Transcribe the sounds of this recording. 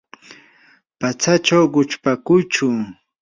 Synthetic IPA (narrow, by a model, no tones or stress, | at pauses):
pat͡sat͡ʃawɢʊt͡ʃpakʊjt͡ʃʊ